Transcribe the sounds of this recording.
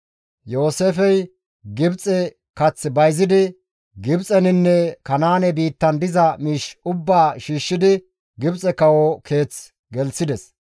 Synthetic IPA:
jo̞ːse̞ːfɛj | ɡɪbt͡sʼɛ | kɐt͡sːbɐjzɪd̪ɪ | ɡɪbt͡sʼɛnɪnːɛkɐnaːnɛbiːt̪ːɐnd̪ɪzɐmiːʃʊbːaːʃiːʃːɪd̪ɪ | ɡɪbt͡sʼɛkɐwokʰe̞ːt͡s | ɡɛlsɪd̪ɛs

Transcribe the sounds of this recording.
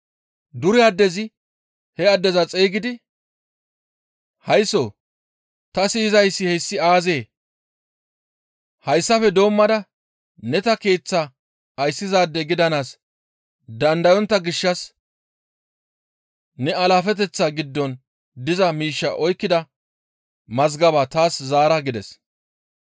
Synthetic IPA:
d̪ʊɾɪɐd̪ːɛzɪ | hɛɐd̪ːɛzɐt͡sʼeːɡɪd̪ɪ | hɐjso̞̰ː | t̪ɐsiːzɐjsːɪhɛsːɪaːze̞ː | hɐjsːɐfɛd̪o̞ːmːɐd̪ɐ | nɛt̪ɐke̞ːt͡sːa | ɐjsːɪzaːd̪ːɛɡɪd̪ɐnaːs | d̪ɐnd̪ɐjɔnt̪ːɐɡɪʃːɐs | nɛɐlaːfɛt̪̬ɛt͡sːaːɡɪd̪ːɔn | d̪ɪzɐmiːʃːɐ̰ʔɔjkːɪd̪ɐ | mɐzɡɐbaːt̪aːszaːɾɐɡɪd̪ɛs

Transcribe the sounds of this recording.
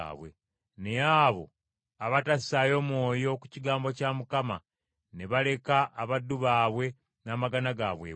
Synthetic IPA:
βwḛ | ne̞aːβo̞̰ | aβatasi̥sajo̞mwo̞ːjo̞ku̥ciɡaːmbo̞caːmukama̰ | ne̞βale̞kaʔːβadːuβaːβwe̞ | naːmaɡanaɡaβwḛ

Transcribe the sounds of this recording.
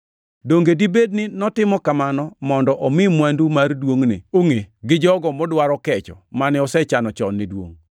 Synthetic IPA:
doŋɡedibednɪnɔtɪmɔkamanɔmɔndɔʔɔmɪmwandumardwoŋnɪ̰oŋeɡɪd͡ʒɔɡɔmɔdwaɾɔkɛt͡ʃɔ̰manɛɔsɛt͡ʃanɔt͡ʃɔnːidwo̰ŋ

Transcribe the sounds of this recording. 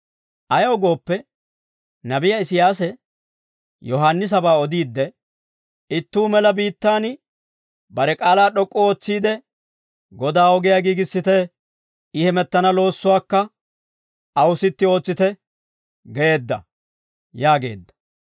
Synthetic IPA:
ʔɐjɔɡo̞ːpːɛ | nɐbɪjɐɪsɪjaːs̬ɛ | jɔɦanːɪs̬ɐbaːɔd̪iːd̪ːɛ | ɪt̪ːuːmɛlɐbiːt̪ːaːn | bɐɾɛkʼaːlaːɗɔkʼːɔo̞ːt͡sːiːd̪ɛ | ɡɔd̪aːɔɡɪjaɡiːɡɪsːɪt̪ɛ | ɪhɛmɛt̪ːɐnɐlo̞ːsːʊwaːkːɐ | ɐwsɪt̪ːɪo̞ːt͡sːɪt̪ɛ | ɡɛeːd̪ːɐ̰ | jaːɡe̞̰ːd̪ːɐ̥

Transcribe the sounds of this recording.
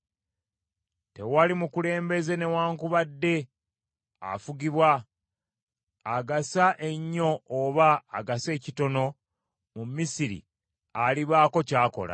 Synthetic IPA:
te̞walimukule̞ːmbe̞ze̞ne̞waːŋkuβadːe̞ | a̰fuɡiβwa | ɡasaʔe̞ɲːo̞ːβaːɡase̞ːcito̞no̞ | mumisiɾḭ | aliβaːko̞caːko̞̰la̰

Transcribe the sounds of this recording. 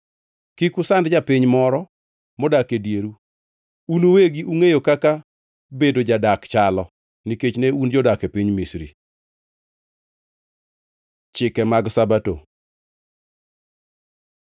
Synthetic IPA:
kikʊsandd͡ʒapiɲmɔɾɔ | mɔdakedjeɾu | unoweɡiʔuŋejokaka | bedod͡ʒadakt͡ʃalɔ | niket͡ʃneund͡ʒɔdakepiɲmisɾḭ | t͡ʃɪkɛmaɡsabato̰

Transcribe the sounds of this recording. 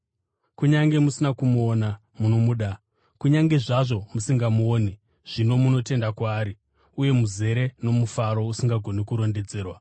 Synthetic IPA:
kuɲaŋɡe̞musinakumuona | muno̞muɗa | kuɲaŋɡe̞ʐaʐo̞musiŋɡamuoːne | ʐ̥ino̞muno̞te̞ndakwaːɾi | uje̞muze̞ɾe̞no̞mufaɾo̞usiŋɡaɡʱo̞nekuɾo̞nde̞d͡ze̞ːrwa

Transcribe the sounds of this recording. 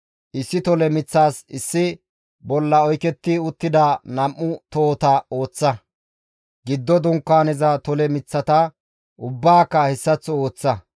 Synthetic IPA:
ʔɪsːɪt̪ɔlɛmɪt͡sːaːsɪsːɪ | bɔlːɐɔjkɛt̪ːɪʊt̪ːɪd̪anɐmʔːʊt̪oːt̪ɐo̞ːt͡sːɐ | ɡɪd̪ːɔd̪ʊŋkːaːnɛzɐt̪ɔlɛmɪt͡sːɐt̪ɐ | ʔʊbːaːkːɐhɛsːɐt͡sːɔo̞ːt͡sːɐ

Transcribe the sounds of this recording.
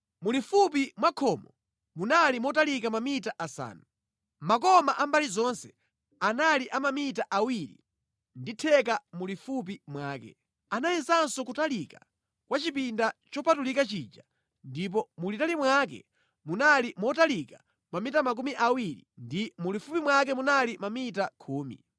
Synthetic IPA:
mulifup̬imwakʰɔmɔ | munalimɔtalikamamitaʔasa̰ːnu | makɔmaʔambalizɔnsɛ | analiʔamamitaʔawiɾḭ | nditʰɛk̬amulifup̬imwaːkɛ̰ | anajɛnzansɔkutalika | kwat͡ʃipindat͡ʃɔpatulikat͡ʃiːd͡ʒa | ndip̬ɔmulitalimwakɛ̰ | munalimɔtalika | mamitamak̬umiʔawiɾḭndimulifupimwak̬ɛmunalimamitakʰuːmḭ

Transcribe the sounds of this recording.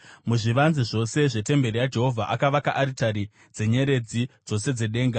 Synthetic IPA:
muʐiʋanziʐo̞se̞ʐe̞te̞mbe̞ɾijad͡ʒe̞ɦo̞vʱaʔakaʋakaʔaɾitaɾi | d͡ze̞ɲe̞ɾe̞d͡zid͡zo̞se̞d͡ze̞ɗe̞ːŋɡa

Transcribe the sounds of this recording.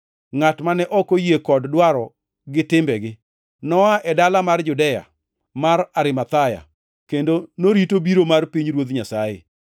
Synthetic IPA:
ŋatmanɛʔɔkojekɔddwaɾɔ | ɡɪtɪmbɛɡɪ | nɔaʔɛdalamard͡ʒʊdɛja̰ | maraɾɪmat̪aja̰ | kendonoɾitobiɾomarpiɲɾwot̪ɲasajḛ

